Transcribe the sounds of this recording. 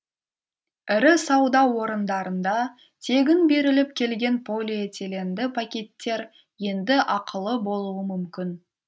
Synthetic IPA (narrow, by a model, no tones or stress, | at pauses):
ɪɾɪsɑwd̪ɑwo̞ɾənd̪ɑɾənd̪ɑ | t̪ʰe̞ɡʲɪnbe̞ɾɪlɪp̚kʲʰe̞lɡʲe̞npʰolʲeet̪ʰe̞le̞nd̪ɪpʰakʲe̞t̪ːe̞ɾ | je̞nd̪ɪʔɑqʰəlˠəbo̞lˠuwəmʏmkʲɪn